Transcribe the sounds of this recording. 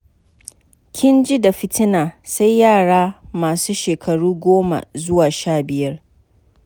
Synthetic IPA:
kʲʰɪ˦nd͡ʒi˦da˨ɸɪ˦tɪ˦naː˨sa˦jːaː˦˨ɽaː˦maː˨suː˦ʃeː˨kʰɐ˨ɽuː˦ɡʷoː˦ma̰˨zʊ˦waː˨ʃaː˦˨bɪ˨jɐ˦r

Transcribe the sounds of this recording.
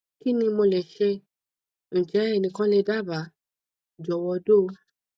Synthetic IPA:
ki˦nĩ˧mo˧lɛ˨ʃe˧ | ñ̩˨d͡ʒɛ˨˦ɛ˦˨nĩ˧kã˦le˧da˦˨ba˨˦ | d͡ʒɔ˨wɔ˧do˦˨˧

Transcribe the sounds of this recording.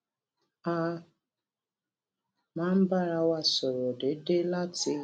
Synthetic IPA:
a˦ | ma˦m̩˦ba˦ɾa˦wa˦sʊ˨ɾɔ˨dɪ˨˦de˦la˦tɪ˦

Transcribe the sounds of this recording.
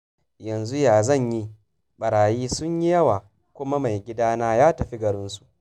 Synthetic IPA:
jɐ˨nzu˦jaː˨zɐ˦˨ɲji˦ | ɓɐ˨ɾaː˨jiː˦sʊ˦ɲji˦jɐ˦waː˨ | kʷʊ˦ma˦ma˨jɡʲɪ˦daː˦naː˦jaː˦tɐ˨ɸi˦ɡɐ˨ɾɪ˦nsu̥˨ʔ

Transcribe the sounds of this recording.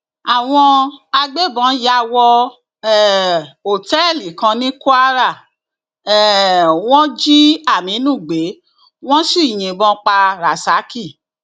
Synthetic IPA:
a˨w̃ɔ̃˧a˧ɡ͡be˦bɔ̃˨˦ja˧˨wɔ˧ | ɛ˨o˨tɛ˦˨li˨kã˧nĩ˦ku˦a˦ɾa˦˨ | ɛ˨w̃ɔ̃˦d͡ʒi˦a˦˨mĩ˨˦nũ˦˨ɡ͡be˨˦ | w̃ɔ̃˦si˦˨j̃ĩ˨bɔ̃˨˧˦k͡pa˧ɾa˨sa˨˦ki˦˨

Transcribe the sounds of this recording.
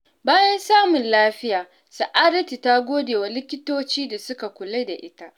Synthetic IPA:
baː˦jɐ˦nsaː˦mʊ˨nlaː˦ɸɪ˦jaː˨ | sɐ˨ʔa˦ɾɐ˦ti˨ta˦ɡʷoː˦deː˨wa˨lɪ˦kʲɪ˦toː˦t͡ʃiː˦da˨sʊ˦ka˨kʷʊ˨le˦da˨ʔɪ˦ta˦ʔ

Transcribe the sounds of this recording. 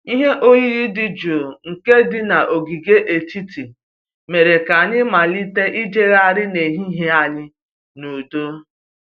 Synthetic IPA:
i˦ɦe˦ʔo˦ji˦ɾi˦dɪ˦d͡ʒo˨ŋ̩˨ke˦dɪ˦na˨ʔo˨ɡi˨ɡe˦ʔe˨ti˦ti˨ | me˨ɾe˨ka˨ɲɪ˦ma˨li˦te˦ʔi˦d͡ʒe˦ɣa˦˨ɾɪ˦ne˨ɦi˦ɦe˦a˦ɲɪ˦ | nu˨do˦

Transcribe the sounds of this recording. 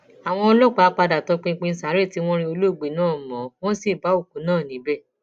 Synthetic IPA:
a˨w̃ɔ̃˧ɔ˧lɔ˦k͡pa˧˦a˧˦k͡pa˧da˨tɔ˨˧k͡pĩ˧k͡pĩ˧n̩˦sa˨˦ɾe˦˨ti˦w̃ɔ̃˦ɾ̃ĩ˧o˧lo˦˨ɡ͡be˨nãː˦˨mɔ̃˨w̃ɔ̃˦si˦˨ba˨˦o˦˨ku˨˦nãː˦˨nĩ˨˦bɛ˦˨

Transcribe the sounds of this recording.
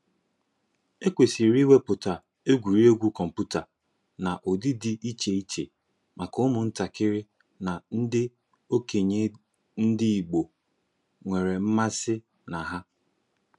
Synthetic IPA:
e˦kʷe˨si˨ɾi˦we˦pʊ˨ta˨ | e˦ɡʷu˨ɾi˦o˦ɡʷu˦kɔ˨m̩˨pu˦ta˨ | na˨ʔo˨dɪ˦di˦ʔi˦t͡ʃe˨i˦t͡ʃḛ˨ | mʔa˨kʊ˦mʊ˨n̩˦ta˨kɪ˦ɾɪ˦ | na˨n̩˦dɪ˦ | o˦ke˨ɲe˨ | n̩˦dɪ˦i˨ɡ͡bo˨ | ŋʷe˨ɾe˨m̩˦ma˦sɪ˦ | na˨ɦa˦

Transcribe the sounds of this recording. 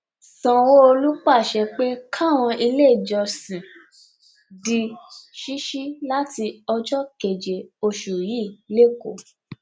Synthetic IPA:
sã˨wo˦o˧lu˦k͡pa˦˨ʃɛ˧k͡pe˦kʰa˦˨w̃ɔ̃˧i˧le˦˨d͡ʒɔ˨˧sĩ˨ | di˧ʃi˦ʃi˦la˦ti˧ɔ˧d͡ʒɔ˦ke˨d͡ʒe˨o˧ʃu˨ji˦˨le˦˨ko̰˨

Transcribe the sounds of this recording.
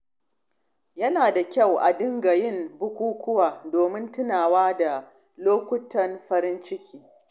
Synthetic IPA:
jɐ˦naː˨da˨kʲɐ˦˨wʔa̰˨dɪ˦ŋɡa˨jɪ˦˨mbʊ˦kʷuː˦kʷʊ˦waː˨doː˨mɪ˦ntʊ˦naː˨waː˦da˨ | loː˦kʷʊ˦tɐ˨nɸɐ˦ɾɪ˦nt͡ʃɪ˦kʲʰiː˦

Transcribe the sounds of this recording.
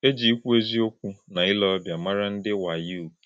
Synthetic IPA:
e˦d͡ʒi˨i˦kʷu˦e˦zi˦o˦kʷu˦na˨ɪ˦lɔ˦bja˨ma˦ɾa˦n̩˦dɪ˦wa˨ju˦u˨

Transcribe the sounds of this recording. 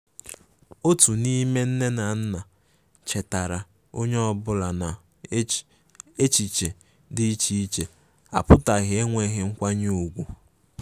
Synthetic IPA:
o˦tu˨ni˦me˦n̩˦ne˦na˨n̩˦na˨ | t͡ʃe˨ta˨ɾa˨ | o˦ɲe˦ɔ˦bʊ˦la˨na˨ | e˦t͡ʃi˨t͡ʃe˨ | dɪ˦i˦t͡ʃi˦t͡ʃe˨ | a˨pʊ˦ta˨ɣɪ˨˦e˦ŋʷe˦ɦɪ˦ŋ̩˦kʷa˦ɲ˦u˨ɡʷu˨

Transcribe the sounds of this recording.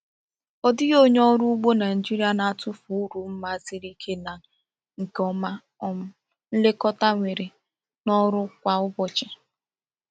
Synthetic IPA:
ɔ˦dɪ˦ɣo˦ɲ˦ɔ˦ɾʊ˦ɡ͡bo˦na˨i˨d͡ʒi˦ɾi˦a˦na˨a˨tʊ˦fu˨u˦ɾu˨m̩˦ma˦zi˦ɾi˦kʰe˦na˨ | ŋ̩˨kɔ˦ma˦ | ɔ˦m̩˦ | n̩˦le˦kɔ˦ta˦ŋʷe˨ɾe˨ | nɔ˦ɾʊ˦kʷa˨ʊ˦bɔ˦t͡ʃɪ˨

